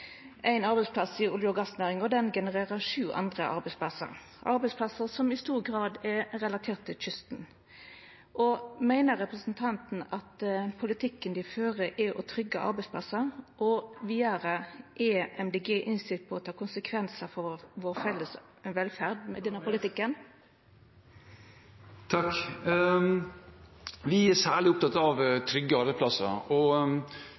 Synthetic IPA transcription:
ʔæɪnɑɾbɛɪspʰlɑsɪʊljəɔɡɑsnæːʁɪŋɔd̪ɛnɡɛnəʁeːʁəʂʉːʔɑ̰nd̪ʁəʔɑ̰ɾbæɪspʰlɑsə̰ɾ | ʔɑɾbɛɪspʰlɑsəsɔmɪst̪uːʁɡʁɑːd̪ɛɾɛlɑt̪ʰeːt̪ʰːɪlt͡ʃʰʏst̪n̩ | ʔɔmæɪnəɾʁɛpɾəsnt̪ʰɑnt̪n̩ɑt̪pʰʊlɪt̪ʰɪkːənd̪ɪføːʁəʔɛʔɔt̪ʰɾʏɡːəʔɑ̰ɾbɛɪspʰlɑsəɾʔɔʋiːəɾəʔeːʔɛmd̪eɡeːʔɪnst̪ɪt̪̚pʰɔɔt̪ʰɑːkʊnsəkʰʋɛnsəfɔʋɔːʁfɛlːəs | ɛnʋɛlfæʁd̪mɛd̪ɛnːəpʊlɪt̪ɪkːən | t̪ʰɑk | ʋɪæsæːɭɪʊp̚t̪ɑt̪ɑʋt̪ʰɾʏɡːəɑɾbæɪsplɑsə̰ɾɔ

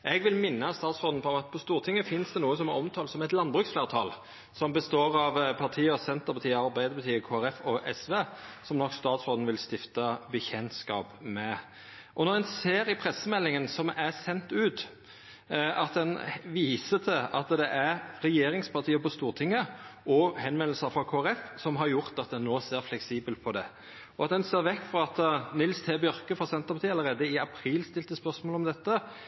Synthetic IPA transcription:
ʔɛɡʋɪlmɪnːəst̪ɑːt̪sʁɔːd̪n̩pʰɔɛmɑt̪pʰɔst̪uːʁt̪ʰɪŋːəfɪnsd̪ɛnuːəsɔmɛɔmt̪ʰɑːlsɔmɛɪt̪lɑnbʁʉksfleːʁt̪ʰɑ̰ːl | sɔmbəst̪oːɾɑʋpʰɑʁt̪ʰiːəɔsɛnt̪əɾpʰɑt̪ʰiːɑɾbæɪd̪əbət̪ʰiːəkʰoːæɾɛfɔʔɛsʋeːsɔmnɔkːst̪ɑːt̪sʁɔd̪nʋɪlst̪ɪft̪əbəçɛnskɑ̰ːpmɛ | ʔɔnɔʁɛnseːɾɪpʰʁɛsːəmɛlːɪŋənsɔmæsɛnt̪ʉːt̪ | ɑt̪̚d̪ɛnʋiːsət̪ʰɪlʔɑt̪d̪ɛʔæɾɾɛjeːɾɪŋspʰɑʁt̪ʰiːəpɔst̪uːʁt̪ʰɪŋːəɔhɛnmɛnl̩səfɾɑkʰoːæɾɛfsɔmɦɑɾjʊʁt̪ɑt̪̚d̪ɛnːoːseːɾflɛksiːbəlt̪̚pʰɔd̪ɛ | ɔɑt̪̚d̪ɛnseːɾʋɛkːfɾɑɑt̪nɪlst̪ʰeːbœɾkəfɔɾsɛnt̪əpʰɑt̪iːɑləɾeːd̪əɪɑpʰɾiːlst̪ɪlt̪əspœʁsmoːlɔmd̪ɛt̪ːə

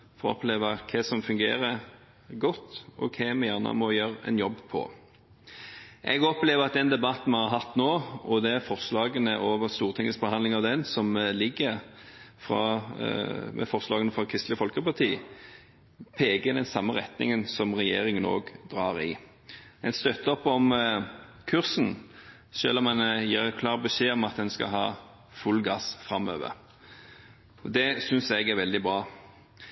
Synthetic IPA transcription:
fɔʁɔ̰pleːʋəkʰɛsɔmfʉŋɡeːɾə | ɡɔt̪ːɔ̰kʰɛmɛjæʁnə̰mɔjøːɾɛ̰njɔbːpʰɔ̰ | ʔɛɡɔpleːʋəʁɑt̪̚d̪ɛnd̪ɛbɑt̪nmɛhɑɾɦɑt̪ːnoːɔd̪ɛæɾfɔʁslɑːɡənəʔoːʋəst̪uːʁt̪ʰɪŋːəsbəhɑnlɪŋɑʋd̪ɛnsɔmlɪɡːə | fʁɑ̰ | mɛ̰fɔʁslɑːɡənəfʁɑkʰʁɪst̪lɪəfɔlkəpɑt̪ʰiː | pʰeːɡəd̪ɛnsɑmːəʁɛt̪nɪ̰ŋənsɔmʁɛjeːɾɪŋəno̰ːɡd̪ʁɑːʁɪ | ɛnst̪œt̪ːəɔpːɔm | kʰʉʁsn̩ | ʃø̰ːlɔmɛnjiːɾkʰlɑːʁbəʃeːɔmɑt̪̚d̪ɛnskɑ̰ɦɑː | fʉlːɡɑsfɾɑmø̰ːʋə̰ɾ | ɔd̪ɛsʏnsɛɡæɾʋɛld̪ɪbɾɑː

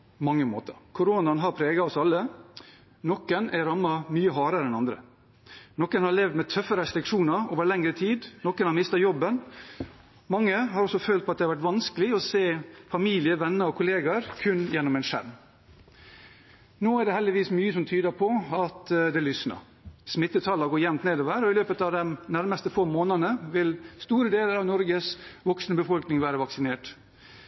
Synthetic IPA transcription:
mɑŋːəmo̰ːt̪əɾkʰʊɾoːnɑnɦɑɾpʰɾeːɡɑɔsɑlːə | nɔkːənæɾɑmːɑmyːəɦɑːɾəɾɛnɑnd̪ɾə̰ | nɔkːənhɑɭeːʋd̪mɛt̪ʰœfːəɾəɛst̪ɾɪkʂuːnəɾoːʋəɭɛŋɾət̪ʰiːd̪nɔkːənhɑɾmɪst̪ɑjɔbːən | mɑŋːəɦɑɾɔsɔføːlt̪̚pʰɔɑt̪̚d̪ɛhɑʋæʈ̬ʋɑnskəlɪɔseːfɑmiːlɪəʋɛnːəɾɔkʰʊleːɡɑɾkʰʉnjɛnːɔmɛɪnʂæ̰ɾm | noːæɖɛhɛld̪ɪʋiːsmyːəsɔmt̪ʰyːd̪əpʰɔɑt̪d̪ɛlʏsnɑ̰ | smɪt̪ːət̪ʰɑlɑɡoːjɛmnt̪neːd̪ɔʋæːɾɔɪløːpət̪ɑːʋd̪ɛmnæɾməst̪əfoːmoːnənəʋɪlst̪uːɾəd̪eːləɾɑʋnɔɾɡəsʋɔksnəbəfɔlknɪŋʋæːɾəʋɑksɪneːʈ

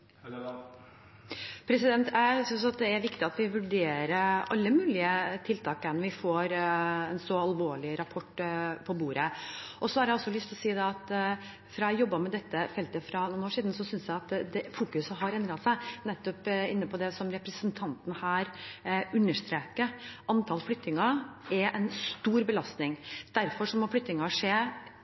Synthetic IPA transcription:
pʰɾɛsɪd̪ɛnt̪ʰjæsʏnsɑt̪̚d̪ɛæɾʋɪkt̪ɪɑt̪ʋɪʋʉɖeːɾəʔɑlːəmʉːlɪət̪ʰɪlt̪ʰɑːkənʋɪfoːɾɛnsɔɑlʋoːɭɪɾɑpʰɔʈːpʰɔbuːɾəʔɔsɔhɑɾjæɪɔsːɔlʏst̪ʰɔsiːd̪ɛɑt̪ | fɾɑɛjɔbːɑmɛd̪ɛt̪ːəfɛlt̪əfɾɑnuːnoːʂiːd̪n̩sɔsʏnsjæɪɑt̪d̪ɛfuːkʉsəɦɑɾɛnd̪ɾɑsæɪnɛt̪ːɔpɪnːəpʰɔd̪ɛsɔmɾɛpɾəsənt̪ʰɑnt̪n̩hæːɾʉnːəʂt̪ɾeːkəʔɑnt̪ʰɑːlflʏt̪ːɪŋɑɛʔɛnst̪uːɾbəlɑst̪nɪŋd̪̥æɾfɔʂɔmɔflʏt̪ːnɪŋɑʂeː

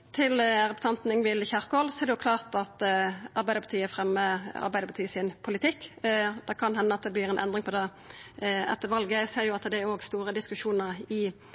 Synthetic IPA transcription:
t̪ʰɪlʁɛpʊ̥t̪ʰɑnt̪n̩ɪŋʋɪlçɑʁkɔlsɔɛʁd̪ɛjʊkʰlɑːʁt̪ɑt̪ɑʁbæɪd̪əpɑt̪iːəfʁɛmːəɑ̰ɾbæɪd̪əpɑt̪iːəsɪnpʰʊlɪt̪ʰɪkːd̪ɛkʰɑnhɛnːəɑt̪̚d̪ɛblɪːʁɛnʔɛ̰nd̪ʁɪŋpʰɔd̪ɛ | ɛ̰t̪ːəʋɑlɡəseːʁjʊɑt̪d̪ɛoːɡst̪uːʁəd̪ɪskʉʃuːnəʁɪ

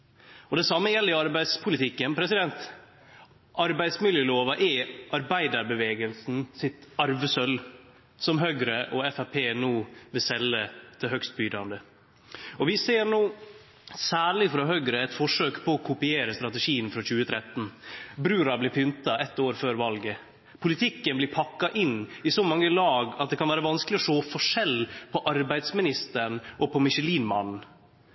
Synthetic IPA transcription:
ɔd̪ɛsɑmːəjɛlːəɪɑɾbæɪd̪spʰʊlɪt̪ʰɪkːənpʰɾɛsɪd̪ɛnt̪ | ʔɑɾbæɪd̪smɪljəloːʋɑʔɛʔɑɾbæɪd̪ɑɾbəʋeːɡəlsn̩sɪt̪ɑɾʋəsœl | sɔmɦœɡɾəʔɔɛfæpʰeːnuːʋɪlsɛlːət̪ʰɪlhœkst̪̚byːd̪ɑnd̪ə | ɔʋɪseːɾɳoː | sæːɭɪfɾɑɦœɡɾəɛt̪fɔʂøːkpʰɔːkʰʊpɪeːɾəst̪ɾɑt̪əʂiːənfɾɔçʉːət̪ʰɾɛt̪ːn̩bɾʉːɾɑblɪɾpʰʏnt̪ɑɛt̪ːoːɾføːɾʋɑlɡə | pʰʊlɪt̪ʰɪkːənblɪɾpʰɑkːɑʔɪnːɪsɔmɑŋːəlɑːɡɑt̪̚d̪ɛkɑnʋæːɾəʋɑnsklɪɔʂoːfɔʂɛlːpʰɔʔɑɾbæɪd̪smɪnɪst̪əɳʔɔpʰɔmɪʂəliːnmɑnn̩

